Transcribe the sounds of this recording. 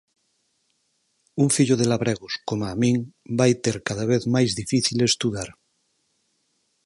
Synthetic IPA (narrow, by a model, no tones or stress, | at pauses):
uŋfiʎoðelaβɾeɣoskomamĩŋbajt̪eɾkaðaβ̞eθmajzðifiθilest̪uðaɾ